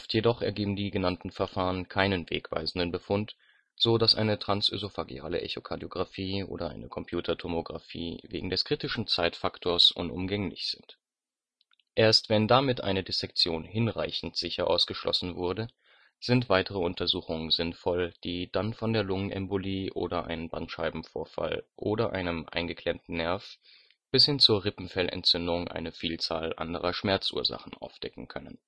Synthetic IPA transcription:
ɔftʰjedɔχɛ̰ɐɡeːbm̩diːɡənantn̩fɛɐfaːʁənkʰaɪnənvḛːkv̥a̰ɪzn̩dənbəfʊnt | z̥oːdasʔa̰ɪnətʁ̥ansʔy̰zofaɡḭa̰ːlə̰ʔɛ̰çokʰaɐdijoɡʁafiːʔo̰ːdɐʔa̰ɪnəkʰɔmpʰj̥uːtʰɐtʰomoɡʁa̰fḭːvḛːɡŋ̩dɛskʁ̥iːtɪʃn̩t͡saɪtfaktʰoːɐsʔʊ̰nʔʊ̰mɡɛŋlɪ̰çz̥ɪnt | ʔeːɐstv̥ɛndamɪtʔa̰ɪnədɪsɛk̚t͡sjoːnhɪnʁa̰ɪçn̩tz̥ɪçɐʔa̰ʊsɡ̥əʃlʔɔ̰sn̩vʊɐdə | z̥ɪntv̥aɪtəʁəʊntʰɐzuːxʊŋənzɪnfɔld̥iːd̥anfɔndeːɐlʊŋənʔɛ̰mboliːʔo̰ːdɐʔa̰ɪnənbantʃaɪbm̩foːɐfa̰lʔoːɾɐʔa̰ɪnəmʔa̰ɪnɡəkʰl̥ɛmtn̩nɛɐf | b̥ɪshɪnt͡suːɐʁɪpm̩fɛlɛ̰ntt͡sʏndʊŋʔa̰ɪnəfiːlt͡saːlʔa̰ndəʁɐʃmɛɐt͡sʔṵːɐza̰χn̩ʔa̰ʊfd̥ɛkŋ̩kʰœnən

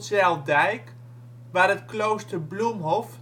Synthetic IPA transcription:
sɛlˠdɛjk | ʋarətklowstərblumɦɔf

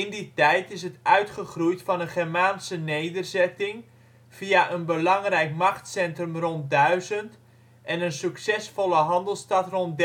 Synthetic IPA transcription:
ɪnditɛjtɪsətœɥtχəχrujtfɑnənχɛrmaːnsənejdərzɛtɪŋ | v̥iaʔənbəlɑŋrɛjkmɑχtsɛntrəmrɔnt̚dœɥzənt | ʔɛnənsyksɛsfɔləɦɑndəlˠstɑtrɔntd

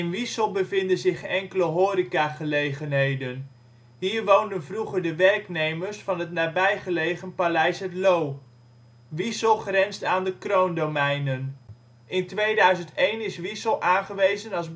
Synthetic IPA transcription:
ɪnʋisəlˠbəvɪndənzɪχɛŋkələɦoːɾikaːχəlejχənɦejdən | ɦiːɹʋowndənvruχəɹdəʋɛrknejməɹsfɑnɦətnaːbɛjχəlejχənpalɛjsɦətlow | ʋisəlˠχrɛnstaːndəkrowndomɛjnən | ʔɪntʋejdœɥzəntejnɪsʋisəlˠʔaːnχəʋejzənɑlˠz

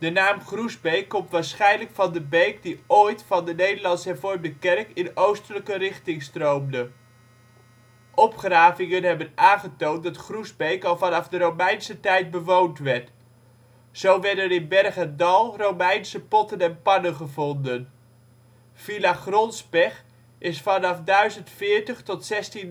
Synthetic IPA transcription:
d̥ənaːmχruzbejkːɔmtʋaːɹsχɛjnləkfɑndəbejkdiojtfɑndənejdəlɑnsɦɛɹvɔɹmdəkɛrkɪnowstələkərɪχtɪŋstrowmdə | ʔɔpχraːvɪŋənɦɛbənaːnχətowntdɑtχruzbejkɑlˠvɑnɑvdərowmɛjnsətɛjt̚bəʋowntʋɛɹt | z̥owʋɛɹdɛnɪnbɛrχəndɑlˠrowmɛjnsəpɔtənɛnpɑnənχəvɔndən | v̥ilaχrɔnzbɛχ | ʔɪsfɑnɑfdœɥzəntfɪːɹtəχtɔtsɛstin

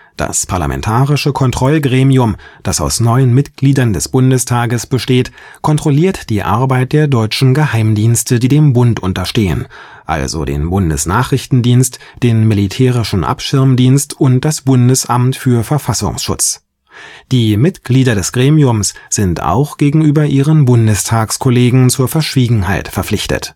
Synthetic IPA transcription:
d̥a̰spʰaɐla̰mʔɛ̰ntʰaːʁɪʃəkʰɔntʁ̥ɔlɡʁeːmiʊmd̥asa̰ʊsnɔʏənmɪtɡ̥liːdɐndɛsb̥ʊndəstʰaːɡəsb̥əʃteːt | kʰɔntʁ̥oliːɐtd̥iːʔa̰ɐbaɪt̚d̥eːɐdɔʏt͡ʃn̩ɡəɦaɪmdiːnstədiːdeːmbʊntʔʊntɐʃteːə̰n | ʔa̰lzo̰dḛːnbʊndə̰sna̰ːχʁ̥ɪçtn̩diːnstd̥eːnmilitʰɛːʁ̞ɪʃn̩ʔa̰pʃɪɐmdiːnstʔʊnt̚d̥asb̥ʊndəsʔamtfyːɐfɛɐfasʊ̰ŋsʃʊ̰t͡s | d̥iːmɪtɡ̥liːdɐdɛsɡ̥ʁeːmiʊmsz̥ɪnta̰ʊxɡ̥eːɡŋ̩ʔyːbɐʔiːʁənbʊndəstʰaːkskʰoleːɡŋ̩t͡suːɐfɛɐʃv̥iːɡŋ̩ɦaɪtfɛɐflɪçtə̰t

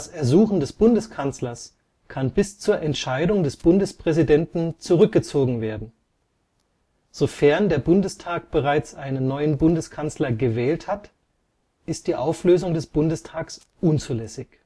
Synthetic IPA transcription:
sɛɐzuːχn̩dɛsb̥ʊndəskʰant͡slɐs | kʰanbɪst͡suːɐʔɛntʃaɪdʊŋdɛsb̥ʊndəspʁ̥ɛzidɛntn̩t͡suʁʏk̚ɡ̥ət͡soːɡŋ̩veːɐdn̩ | z̥ofɛɐndeːɐbʊndəstʰaːk̚b̥əʁaɪt͡sʔaɪnənːɔʏənbʊndəskʰant͡slɐɡəvɛːlthat | ʔɪst̚d̥iːʔaʊfløːzʊŋdɛsb̥ʊndəstʰaːks | ʔʊnt͡suːlɛsɪç

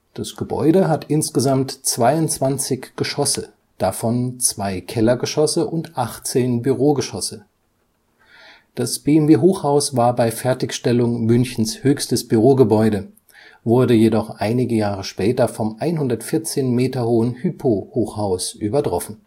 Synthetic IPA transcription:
d̥asɡ̥əbɔ̰ʏdəɦatʔɪnsɡ̥əzamtt͡sv̥aɪʊntt͡sv̥ant͡sɪçɡ̥əʃɔsə | d̥afɔnt͡sv̥aɪkʰɛlɐɡəʃɔsəʔʊntʔaχt͡seːnbyʁoːɡəʃɔsə | d̥asb̥eːɛmveːɦoːχhaʊsvaːɐbaɪfɛɐtɪçʃtɛlʊŋmʏnçn̩shøːçstəsb̥yʁoːɡəbɔʏɾə | vʊɐdəjedɔχʔaɪnɪɡəjaːʁ̞əʃpɛːtɐfɔmʔaɪnɦʊndɐtfɪɐt͡seːnmeːtɐhoːənhyːpʰohoːχhaʊsʔyːbɐtʁ̥ɔfn̩

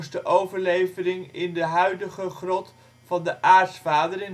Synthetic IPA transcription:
sdəʔowvəɹlejvərɪŋɪndəɦœɥdəχəχrɔt | fɑndəʔaːɹtsfaːdərɪn

